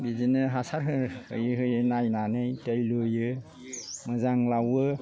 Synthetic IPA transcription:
bizinɯɦasaɾɦɯɾhɯ̰jɯɦɯjɯnajnanɯjtellujɯ | mɯzaŋlawɯ

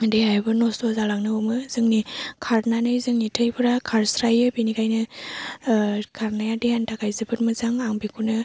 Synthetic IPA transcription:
deɦajbɯnɔsozalaŋnɯomɯzɯŋnikʰaɾnanɯjzɯŋnitʰɯjpʰɯɾakʰaɾsɾajɯbinikajnɯ | kʰaɾnajadehantʰakʰajzɯbɯtmɯzaŋaŋbikʰunɯ

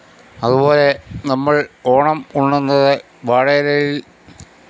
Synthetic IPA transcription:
ɐðuβo̞ːle̞nɐmːɐɭo̞ːɳɐmuɳːunːɐðɨ | ʋaːɽɐɐɾɐjil

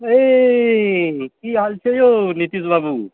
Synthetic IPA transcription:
e | kiɦalt͡ʃʰejonit̪isbabu

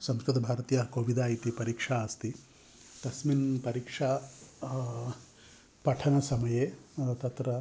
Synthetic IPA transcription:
sɐmskɾud̪ɐbʱaːɾɐt̪ijaɦɐkoːʋid̪aːjit̪ipɐɾiːkʂaːst̪i | t̪ɐsminpɐɾiːkʂaː | pɐʈʰɐnɐsɐmɐjeːt̪ɐt̪ɾɐ

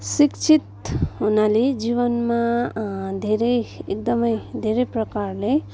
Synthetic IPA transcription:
sikt͡ʃʰit̪ɦunaled͡ʒiβʌnma | d̪ʱeɾejek̚d̪ʌmʌjd̪ʱeɾejprʌkaɾle

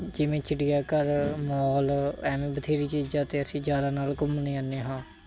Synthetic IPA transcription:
d͡ʒɪʋẽːt͡ʃɪɖɪjaːkəɾmɔːlɛːmẽːbət̪ʰeːɾiːt͡ʃiːd͡ʒaːt̪eːəsĩːd͡ʒjaːɾaːnaːlkʊmnẽːanːeːɦãː

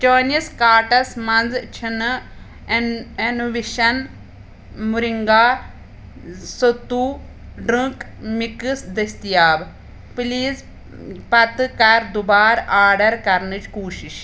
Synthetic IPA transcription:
t͡ʃoːniɐskaːɾʈɐsmɐnzt͡ʃʰən | enuʋiʃɐn | mʊɾɪŋɡaː | sot̪ːuː | ɖɾə̃k | mɪksd̪ɐst̪ijaːb | pliːz | pɐt̪kɐɾd̪ʊbaːɾaːɾɖəɾkɐɾnɨt͡ʃkuːʃiʃ

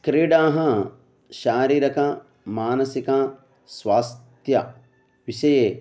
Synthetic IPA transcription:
kɾiɖãːɦɐ̃ | ʃaːɾiːɾɐkãː | maːnɐsikãː | swaːst̪jɐ | ʋiʃɐjeː

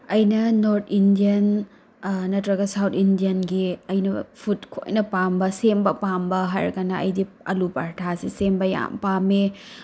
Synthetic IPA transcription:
ɐjnɐnoɾtʰindiɐn | nɐtɾɐɡɐsawtʰindiɐnɡiɐjnɐpʰutkʰo̰jnɐpambɐsembɐpambɐɦɐ̰ɾkɐnɐɐ̰jdi | ɐ̰lupaɾtʰasisembɐja̰mpame

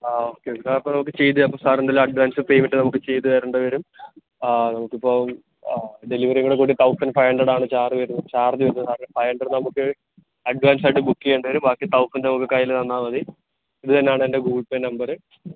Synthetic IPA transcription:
aoːkːesaːɐpːonɐmuk̬ːɨt͡ɕe̞jt̪ːɨɐpːosaːɾɐnd̪ɐlumɐɖʋaːnsɨpejmiʈːɨnɐmukːɨt͡ɕejt̪ːɨʋɐɾuɳɖɨʋɐɾumː | nɐmukːipːoː | ɖe̞liʋɐɾiŋɐuɽekːuːɽit̪ɐwsɐnɖfɐjɐɳɖrɐɽaːɳɨt͡ɕaːriʋɐɾunːt͡ɕaːrd̪iʋɐɾnɐsaːɾɐnfɐjɐɳɖɐɽnɐmukːɨ | ɐɖʋaːns̬aːjʈɨbukːiejuɳɖɨʋɐɾumbaːkːit̪ɐwsɐndnɐmukːɨkːaːjilt̪ɐnːaːnɐði | iðɨt̪ɐnːejaːɳɨende̞ɡuːɭpennɐmbɐrɨ

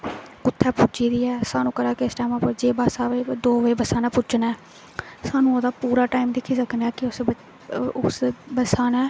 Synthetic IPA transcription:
kʊt̪ʰːɛːpʊd͡ʒiːd̪iːɛːsaːnũːkəɾaːkɪɪsʈaːmãːpəɾd͡ʒeːbaːsaːʋed̪oːʋəebəsaːnãːpʊt͡ʃnaɛː | saːnũːod̪aːpuːɾaːʈaːimd̪ekʰiːsəkʰnaːkɪʊs | ʊsbəsaːnãː

